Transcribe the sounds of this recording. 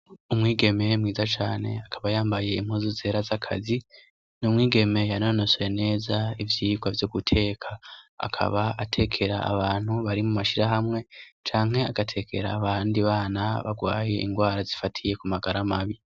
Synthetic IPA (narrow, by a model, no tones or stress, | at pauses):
umŋiːɡe̞me̞mŋiːzat͡ʃaːne̞̰akʰaβajaːmbaje̞im̥huːzuze̞ːɾazakʰazi | numŋiːɡe̞me̞janonoswene̞ːzaivjiːɡwavjoɡutʰe̞ːkʰaa̰kʰa̰βaʔatʰe̞kʰe̞ɾa̰ːβaːn̥huβaɾimumaʃiɾaɦamŋe̞t͡ʃaːŋhe̞aɡ̥atʰe̞kʰe̞̰ɾa̰ːβaːndiβaːnaβa̰ɡwaːje̞ʔḭŋɡwaːɾazifatʰije̞kumaɡaɾamaβi